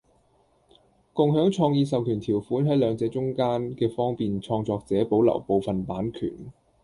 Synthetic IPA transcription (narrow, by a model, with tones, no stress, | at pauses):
kʊ˨ŋɦœː˨˥ŋt͡ʃʰɔː˧ŋjiː˧s̬ɐ˨wkʰyː˨˩nt̪ʰiː˨˩wfuː˨˥nɦɐ˨˥jlœː˨˧ŋt͡sɛː˨˧t͡ʃʊ˥ŋkaː˥nkɛː˧fɔː˥ŋpiː˨nt͡ʃʰɔː˧ŋt͡sɔː˧k̚t͡sɛː˨˥po˨˥wlɐ̰˨˩wpo˨˧wfɐ˨npaː˨˥nkʰy̰ː˨˩n